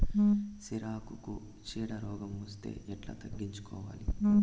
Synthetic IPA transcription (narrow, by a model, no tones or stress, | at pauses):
siɾaːkuku | t͡ʃiːɽɐɾɔːɡɐmost̪e̞̰ːɛʈlɐ̰t̪ɐɡːiɲt͡ʃu̥kɔ̰ːʋa̰ːli